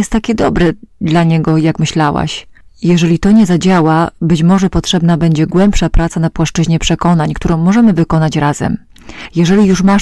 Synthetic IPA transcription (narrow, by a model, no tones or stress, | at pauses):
ɛst̪ːakʲɛd̪ɔbɾɛd̪laɲɛɡɔjakmɘɕlawa̰ɕjɛʐɛlʲit̪ɔɲɛzad͡ʑawabɘt͡ɕmɔʐɛpɔtʂɛbnabɛɲd͡ʑɛɡwɛmpʂapɾat̪sanapwaʂt͡ʂɘʑɲɛpʂɛkɔnaɲkt̪uɾɔ̃w̃mɔʐɛmɘvɘkɔnat͡ɕɾazɛ̰m | jɛʐɛlʲijuʂma